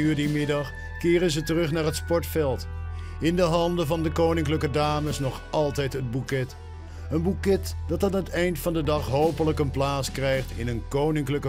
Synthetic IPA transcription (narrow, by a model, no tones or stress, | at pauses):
yːɹdimɪdɑχ | kɪːrənzətərɵχnaːɹɦətspɔɹtfɛlˠt | ɪndəɦɑndəvɑndəkownɪŋkləkədaːməsnɔχɑlˠtɛjtɦəd̚bukɛt | ənbukɛtd̥ɑtaːnətɛjntfɑndədɑχɦowpələkənplaːtskrɛjχtɪnənkownɪŋkləkə